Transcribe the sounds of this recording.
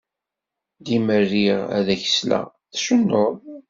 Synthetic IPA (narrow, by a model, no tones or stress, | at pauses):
d̪imərːiʁæ̰ðæçə̥slæ̰ | θʃənːoðˤ